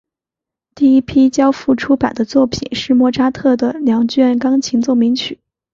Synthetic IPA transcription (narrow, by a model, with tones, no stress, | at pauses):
t̪i˥˩i˥pʰi˥t͡ɕjɑ˥ʊfu˥˩ʈ͡ʂʰu˥pa̰˨˩nd̪ə˦t͡swɔ˥˩pʰi˨˩nʂɻ̩˥˧mwɔ˥˩ʈ͡ʂʰa˥t̪ʰɤ˥˩d̪ə˩ljɑ˧˥ŋt͡ɕɥɛ˥˩nkɑ˥ŋt͡ɕʰi˧˥ŋt͡swɔ˥˩mi˧˥ŋt͡ɕʰy̰˨˩˦